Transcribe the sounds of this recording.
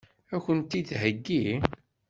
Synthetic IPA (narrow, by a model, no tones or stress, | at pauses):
ækənt̪iθɦəɡːi